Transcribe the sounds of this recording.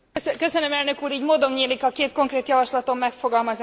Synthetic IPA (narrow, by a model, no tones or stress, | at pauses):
skø̞sønømɛlnø̞kuːɾiːɟmoːd̪o̞mɲeːlikɒkeːt̪̚ko̞ŋkreːt̪jɒvɒʃlɒt̪o̞mːɛkfo̞ɡɒlmɒz